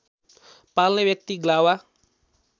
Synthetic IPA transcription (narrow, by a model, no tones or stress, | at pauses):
palnebjʌk̚t̪iɡlawa